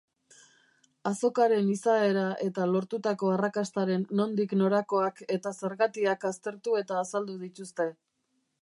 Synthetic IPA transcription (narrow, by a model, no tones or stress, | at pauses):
aso̞kaɾe̞nisae̞ɾaʔe̞t̪alo̞ɾt̪ut̪ako̞arakast̪aɾe̞nːo̞nd̪ikno̞ɾako̞ake̞t̪ase̞ɾɣat̪iakast̪e̞ɾt̪ue̞t̪aːsald̪uð̞it̪ust̪e̞